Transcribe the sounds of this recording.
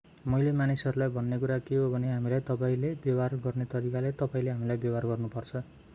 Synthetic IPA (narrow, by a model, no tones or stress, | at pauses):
mʌjlemanisʌɾulajbʱʌnːekuɾakeɦobʱʌneɦamilajt̪ʌpaĩlebjʌbarɡʌrnet̪ʌɾikalet̪ʌpaĩleɦamilajbjʌbʱarɡʌrnupʌrt͡sʰʌ